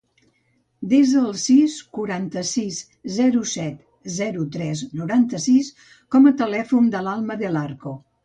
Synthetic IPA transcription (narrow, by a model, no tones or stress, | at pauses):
d̪ezðəːlˠsiskuɾant̪əsiz | zɛɾusɛt̪ | zɛɾut̪ɾɛznuɾant̪əsis | kɔmət̪əlɛfund̪əlalˠməðəlaɾko